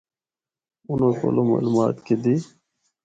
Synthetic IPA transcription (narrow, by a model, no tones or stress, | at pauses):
ʊnoːko̰ːloːma̰ːlumaːt̪ked̪iː